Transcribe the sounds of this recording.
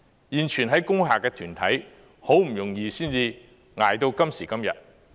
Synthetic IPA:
jiː˨˩nt͡ʃʰyː˨˩nɦɐ˨˥jkʊ˥ŋɦaː˨kːɛː˧t̪ʰyː˨˩nt̪ʰɐ˨˥j | ho˨˥wm̩˨˩jʊ˨˩ŋjiː˧siː˥nt͡siː˧ | ŋaː˨jt̪o˧wkɐ˥msiː˨˩kɐ˥mjɐ̰˨t̚

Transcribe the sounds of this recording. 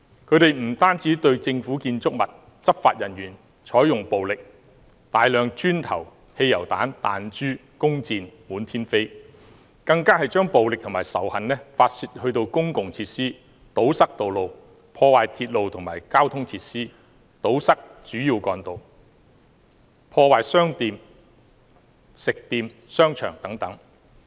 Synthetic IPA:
kʰɵ˨˧˥ɥt̪e˨jm̩˨˩t̪aː˥nt͡siː˨˥t̪ɵ˧ɥt͡sɪ˧ŋfuː˨˥kiː˧nt͡sʊ˥k̚mɐ˨t̚ | t͡sɐ˥p̚faː˧t̚jɐ˨˩njyː˨˩n | t͡ʃʰɔː˨˥jʊ˨ŋpo˨wlɪ˨k̚ | t̪aː˨jlœː˨ŋt͡ʃyː˥nt̪ʰɐ̰˨˩w | he˧jːɐ˨˩wt̪a̰ː˨˥nt̪aː˨nt͡ʃyː˥kʊ˥ŋt͡siː˧nmuː˨˥nt̪ʰiː˥nfe˥j | kɐ˧ŋkaː˥hɐ˨jt͡ʃœː˥ŋpo˨wlɪ˨k̚t̪ʰʊ˨˩ŋmaː˨˩jsɐ˨˩whɐ˨nnɛː˥faː˧t̚siː˧t̚hɵ˧ɥt̪o˧wkʊ˥ŋkʊ˨ŋt͡sʰiː˧t̚siː˥ | t̪o˨˥wsɐ˥k̚t̪o˨wlo˨˧w | pʰɔː˧waː˨jt̪ʰiː˧t̚lo˨wt̪ʰʊ˨˩ŋmaː˨˩jkaː˥wt̪ʰʊ˥ŋt͡sʰiː˧˥t̚siː˥ | t̪o˨˥wsɐ˥k̚t͡ʃyː˨˥jiː˧wkɔː˧nt̪o˨w | pʰɔː˧waː˨jsœː˥ŋt̪iː˨˧m | sɪ˨k̚t̪iː˧msœː˥ŋt͡ʃʰœ̰ː˨˩ŋt̪ɐ˨˥ŋt̪ɐ˨˥ŋ

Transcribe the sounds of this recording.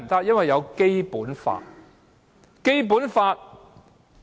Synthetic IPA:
t̪ɐ˥k̚jɐ˥nwɐ˨jːɐ˨˧wke˥jpuː˨˥nfa̰ː˧t̚ | ke˥jp̬uː˨˥nfaː˧t̚

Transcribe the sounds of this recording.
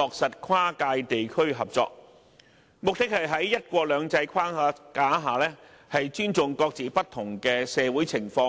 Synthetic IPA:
lɔː˨k̚sɐ˨t̚kʰwaː˥kaː˧jt̪e˨jkʰɵ˥ɥɦɐ˨p̚t͡sɔ̰ː˧k̚ | mʊ˨k̚t̪ɪ˥k̚hɐ˨jɦɐ˨˥jːɐ˥t̚kʷɔː˧k̚lœː˨˧ŋt͡sɐ˧jkʰwaː˥aː˨˥kaː˨˥ɦaː˨lɛː˥ | hɐ˨jt͡ʃyː˥nt͡sʊ˨ŋkɔː˧k̚t͡siː˨˩pɐ˥t̪ʰʊ˨˩ŋkɛː˧sɛː˨˧wuː˨˥jt͡sʰɪ˨˩ŋfɔː˧˥ŋ

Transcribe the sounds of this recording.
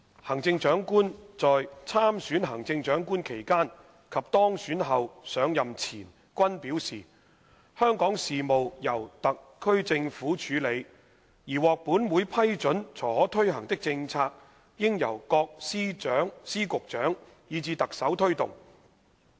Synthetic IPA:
hɐ˨˩ŋt͡sɪ˧ŋt͡ʃœː˨˥ŋkuː˥nt͡sɔː˨jt͡sʰaː˥msyː˨˥nɦɐ˨˩ŋt͡sɪ˧ŋt͡ʃœː˨˥ŋkuː˥nkʰe˨˩jkaː˥n | kʰɐ˨p̚t̪ɔː˥ŋsyː˨˥nɦɐ˨wsœː˨˧ŋjɐ˨mt͡sʰiː˨˩n | kʷɐ˥npiː˨˥wsiː˨ | hœː˥ŋkɔː˨˥ŋsiː˨mo˨wjɐ˨˩wt̪ɐ˨k̚ʰːɵ˥ɥt͡sɪ˧ŋfuː˨˥t͡ʃʰyː˨˥le˨˧j | jiː˨˩wɔː˨k̚puː˨˥nwuː˨˧jpʰɐ˥jt͡ʃɵ˨˥nt͡sʰɔː˨˩hɔː˨˥t̪ʰɵ˥ɥɦɐ˨˩ŋt̪ɪ˥k̚t͡sɪ˧ŋt͡sʰaː˧k̚ | jɪ˥ŋjɐ̰˨˩wkɔː˧k̚siː˥t͡ʃœː˨˥ŋsiː˥kʊ˨k̚t͡ʃœː˨˥ŋ | jiː˨˧t͡siː˧t̪ɐ˨k̚sɐ˨˥wt̪ʰɵ˥ɥt̪ʊ̰˨˩ŋ

